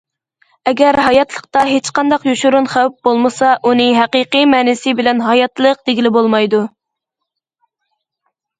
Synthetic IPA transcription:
ɛɡʲæɾɦɑjɑt̪lˠəq̚t̪ɑɦet͡ʃqɑnd̪ɑqjuʃuɾunχæwp̚bolˠmɨsɑʔunɨɦæqiqimɛːnɪsɪbɪlɛnɦɑjɑt̪lˠəq̚d̪eɡʲilɪbolˠmɑjd̪u

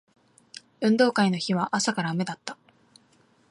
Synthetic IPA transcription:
ɯ̟̃nd̪o̞ːkainoçiβ̞aʔasakaɾame̞d̪at̪ːḁ

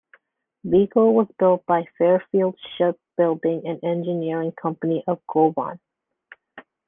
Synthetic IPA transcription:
bikolˠwʌzbɪlˠt̚b̥aɪfɛɹfilˠd̥ʃɪp̚b̥ɪlˠdɪ̃ŋɨ̃nɛ̃nd͡ʒɨnɪɹɪ̃ŋkʰʌ̃mpəniʔʌvɡʰobɑ̰̃n

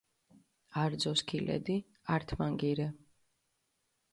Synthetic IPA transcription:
aɾd̪zɔskʰilɛ̰d̪i | aɾt̪ʰmaŋɡiɾɛ

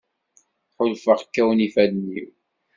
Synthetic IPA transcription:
ħʊlfəʁkːæwnifæðnḭw

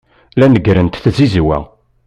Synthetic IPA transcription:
lænəɡɾənt̪θzizwæ̰

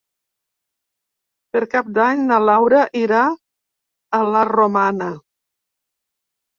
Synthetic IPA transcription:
pəɾkap̚d̪aɲnəlawɾəʔiɾaː | laromanə

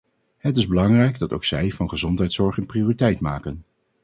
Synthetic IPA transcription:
ɦətɪzbəlɑŋrɛjɡdɑto̰wksɛjvɑnχəzɔntɦɛjtsɔɹχənpriʊːritɛjtmaːkən

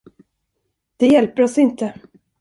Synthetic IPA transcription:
d̪̥ɛjɛlpəɾɔsɪnt̪ə

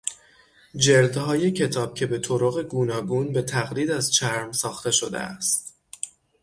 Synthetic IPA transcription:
d͡ʒe̞ɾd̪hɒːje̞cʰe̞t̪ʰɒːb̥̚cʲʰe̞be̞t̪ʰoɾoɣe̞ɡuːnɒːɡuːnbe̞t̪ʰæɣliːd̪æzt͡ʃʰæɾmsɒːxt̪e̞ʃo̞d̪ḛæ̰st̪

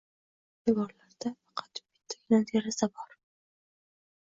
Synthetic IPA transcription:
d̪ɪɡɒɾlaɾd̪afɑqʰɑ̥t̪bɪ̥t̪ʰːɪ̥kʲnat̪eɾasabɒɾ

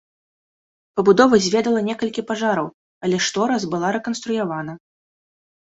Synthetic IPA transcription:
pɐbud̪ɔvɐzʲvʲɛd̪ɐlˠɐnʲɛkɐlʲkʲipaʐaɾɐw | ɐlʲɛʂt̪ɔɾazbɨlˠaɾɛkɐn̪st̪ɾujavanɐ

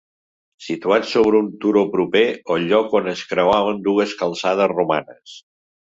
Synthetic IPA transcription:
sit̪uat͡ssoβ̞ɾəunt̪uɾopɾupeoʎɔkonəskɾəwaβ̞ənd̪uəskəlˠsaðəzruma̰nəs

